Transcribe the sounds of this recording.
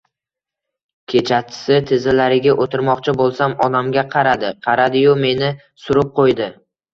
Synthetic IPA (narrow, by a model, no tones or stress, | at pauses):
kʲʰe̞t͡ʃʰat͡ʃʰːɪ̥sɪt̪ʰɪzɪlaɾɪɡʲaʔot̪ʰɪɾmɒqt͡ʃʰɪbolˠsamɒd̪amɡʲaqʰɑɾad̪ɪqʰɑɾad̪ɪjʊme̞nɪ | sʊɾɪp̚qʰojd̪ɪ